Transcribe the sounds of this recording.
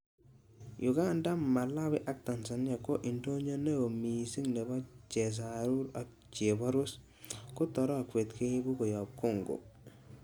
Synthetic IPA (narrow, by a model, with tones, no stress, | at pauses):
jʔuɡa˦nda˦mːa˨la˦bi˦ʔa˦k̚ta˨nsa˨n˦ja˨ko˦ʔi˨nto˦ɲo˦ne˦o˨mi˨si˦ŋne˨ba˦t͡ʃe˨s̬aɾu˦ɾa˦ | t͡ʃe˨bɔ˦ɾu˦s | ku˦tɔ˨ɾɔ˦˨kwe˨tke˦bu˦ko˨jɔ˨p̚ku˦˨ŋɡo̰˨